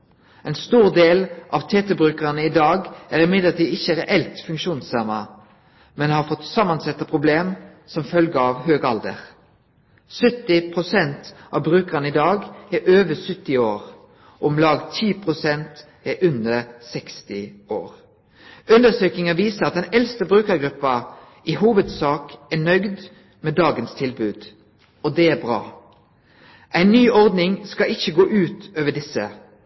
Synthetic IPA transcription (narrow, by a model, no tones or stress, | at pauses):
ɛɪnst̪uːʁd̪eːlʔɑʋt̪ʰeːt̪əbʁʉːkəʁənəɪd̪ɑːɡæːʁɪmɪd̪ləʁt̪iːd̪ɪçəʁɛʔɛlt̪fʉŋkʃuːnsɑmə | mɛnhɑʁfɔt̪sɑmːɑnsɛt̪ːəpʰʁʊbleːm | sɔmfœlɡəɑʋhøːɡɑld̪ə̰ʁ | sœt̪ːɪpʰʁʊsɛnt̪ʔɑʋbʁʉːkəʁənəɪd̪ɑːɡɛʔøːʋəsʏt̪ːɪoːʁ | ɔmlɑːɡt̪ʰiːpʰʁʊsɛnt̪ | æʔʉnd̪əsɛkst̪ɪo̰ːʁ | ʉnd̪əsøːkɪŋɑʋiːsəʁɑt̪̚d̪ɛnɛlst̪əbʁʉːkəɾɡɾʉpːɑ | ʔiɦuːʋəd̪sɑːkænœɡd̪ | meːd̪ɑːɡənst̪ʰɪlbʉːd̪̥ | ɔd̪ɛæbʁɑ̰ː | ʔæɪnːyːɔʁd̪nɪŋskɑɪçəɡoːʔʉːt̪øːʋəɖɪsə